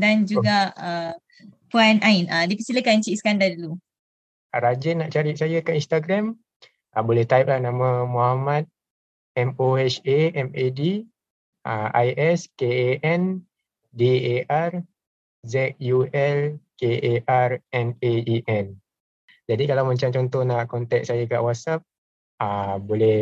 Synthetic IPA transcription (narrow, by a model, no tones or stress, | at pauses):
dand͡ʒuɡaə | puanʔainʔədipəsiləkant͡ʃiskandadlu | ɾad͡ʒənaʔt͡ʃaɾiʔ̚sajəkainst̪aɡɾam | ʔəbolɛht̪aip̚lanãmə̃mohamãt̪̚ | ɛmoɛt͡ʃeɛmedi | əajʔɛskeeʔɛn | deear | zɛt̪̚juʔɛlkeʔeʔarɛneiʔɛn | d͡ʒadikalawmãɲt͡ʃamt͡ʃɔnt̪ɔhnaʔkɔnt̪ɛk̚sajaka̰ʔwasap̚ | əbolɛ